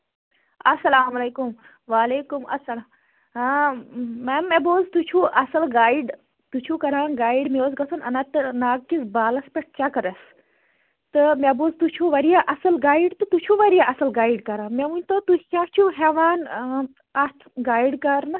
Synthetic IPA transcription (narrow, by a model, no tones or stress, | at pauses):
ɐsɐlaːmɐleːkum | ʋaːleːkumɐ̰sɐlaː | memːeboːzt̪ut͡ʃʰuʔɐsɐlɡaːiɖ | t̪ut͡ʃʰukɐɾãːɡaːiɖmioːsɡɐsʰunɐ̰nat̪ɨnaːɡ̚kisbaːlɐspʲeʈ̚ʰt͡ʃɐkɐɾɐs | t̪ɨmeboːzt̪ut͡ʃʰuʋɐɾijaʔɐsɐlɡaːiɖt̪ɨt̪ut͡ʃʰuʋɐɾijaʔɐsɐlɡaːiɖkɐɾãːmeʋunʲt̪ot̪ukʲat͡ʃʰuɦeʋaːn | ɐt̪ʰɡaːiɖkɐɾnɨ